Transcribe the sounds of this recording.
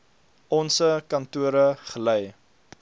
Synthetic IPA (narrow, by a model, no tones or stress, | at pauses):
ɔnsəkɐntuəɾəχəlɛj